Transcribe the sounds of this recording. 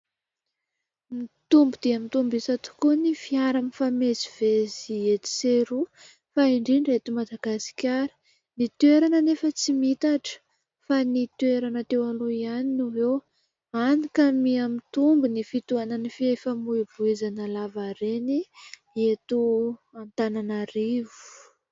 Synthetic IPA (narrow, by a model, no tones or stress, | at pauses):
mit̪umbud̪̥iamit̪umbisat̪u̥kunifiaɾanifameziv̥eziet̪i̥seɾu | faiɳɖ͡ʐiɳɖ͡ʐet̪umad̪aɡasi̥kʲaɾi̥ | nit̪eɾanənefət͡simit̪aʈ͡ʂə̥ | fanit̪weɾanət̪ewaluianinuwew | anikamiamit̪umbunifit̪uananifiefəmuiv̥uizanəlavaɾeni | et̪uant̪ananaɾivu̥u̥